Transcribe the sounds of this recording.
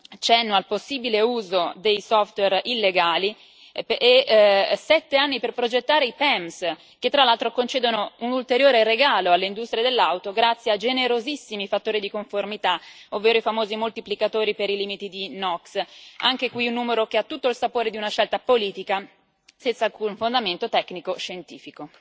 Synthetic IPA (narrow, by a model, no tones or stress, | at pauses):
t͡ʃɛnːoalposːibileuːzod̪ejsɔft̪wɛrilːeɡaːli | esɛt̪ːeanːiperpɾod͡ʒet̪ːaːɾeipɛms | ket̪ːɾalːalt̪ɾokont͡ʃeːd̪onounult̪eɾjoːɾeɾeɡaːloalːeind̪ust̪ɾied̪elːawt̪oɡɾat̪sːjead͡ʒeneɾozisːimifat̪ːoːɾid̪ikoɱformit̪aovːeːɾoifamoːzimolt̪iplikat̪oːɾipeɾiliːmit̪id̪inɔksaŋk̟ekwiunːuːmeɾok̟eat̪ːut̪ːoilsapoːɾed̪iunaʃɛlt̪apoliːt̪ika | sɛnt̪salkunfond̪ament̪ot̪ɛknikoʃent̪iːfiko